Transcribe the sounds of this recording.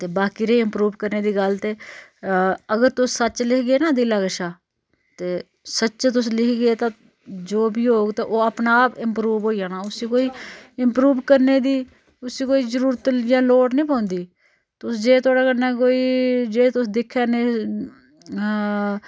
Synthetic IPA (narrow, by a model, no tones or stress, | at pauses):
t̪eːbaːkiːɾeːɪmpɾuːʋkəɾneːd̪iːɡəlt̪eː | əɡəɾt̪ʊsːəːt͡ʃlɪkʰɡeːnaːd̪ilaːɡəʃaː | t̪eː | sətːt͡ʃt̪ʊslɪkʰɡeːt̪ãː | d͡ʒoːbʱiːɦoːɡt̪ãʔoːəpnaːpɪmpɾuːʋɦoːijãːnaːʊsiːkoːiːɪmpɾuːʋkəɾneːd̪iː | ʊsiːkoːiːzəɾuːɾət̪d͡ʒãːloːʈnəĩːpãːnd̪iː | t̪ʊsd͡ʒeːt̪ʰʊaːɽaːkənaːk̬oːiːd͡ʒeːt̪ʊsd̪ɪkʰːjaːneː